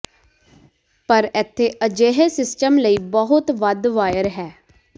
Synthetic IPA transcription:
pəɾɛːt̪ʰːeːʔəd͡ʒeɦesɪsʈəmləiːbəɦʊt̪ʋəd̪ʋaːjəɾɦɛː

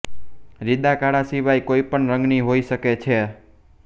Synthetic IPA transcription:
ɾid̪akaɽasiʋajkoipəɳɾəŋɡniɦoiʃəket͡ʃʰe

